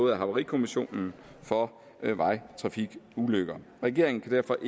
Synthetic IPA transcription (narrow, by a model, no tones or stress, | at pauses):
ð̩ˠæɦɑ̈ʊɐʁikʰo̝miɕo̝̰ːnn̩fɒ̽ | ʋɑ̈ɪt͡sʰʁɑ̈fiɡ̥uløɡ̥ɐ | ʁɛɡ̥e̝ɐeŋn̩kʰæd̥æɐfɒ̽ʔ